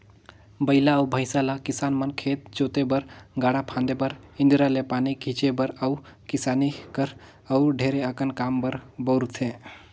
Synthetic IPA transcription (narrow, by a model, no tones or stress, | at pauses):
bəɪlaəubʱəɪsalakisanmənkʰet̪̚d͡ʒot̪ebəɾɡaɽapʰãnd̪ebəɾĩnd̪ɾalepanikit͡ʃebəɾəukisanikəɾ | əʊɖʱeɾeəkənkambəɾbəʊɾt̪ʰẽ